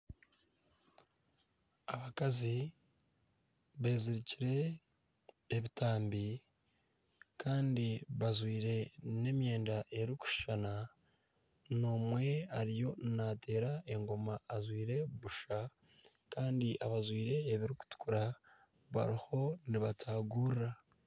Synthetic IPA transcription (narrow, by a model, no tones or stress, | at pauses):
aβakazi | βe̞ːziɾiciɾe̞ | βitaːmbi | kaːndiβazwiːɾe̞ne̞mje̞ːndaʔe̞ɾiku̥ʃana | noːmwe̞aɾijo̞nate̞ːɾae̞ŋɡo̞maːzwiːɾe̞βuʃa | kaːndiʔaβazwiːɾe̞ːβiɾiku̥tu̥kuɾa | βa̰ɾiho̞niβatʰaːɡuːɾːa